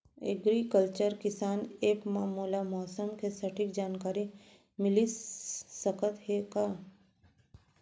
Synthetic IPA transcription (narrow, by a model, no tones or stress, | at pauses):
ḛɡɾikəlt͡ʃəɾkɪsaːneːpmaːmuːlamɔːsəmkesɐʈʰɪk̚d͡ʒaːnkaːɾi | mɪlisəkət̪hekaː